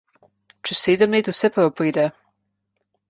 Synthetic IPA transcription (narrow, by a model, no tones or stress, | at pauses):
t͡ʃɛsseːd̪əmleːt̪usɛpɾɐwpɾiːd̪ɛ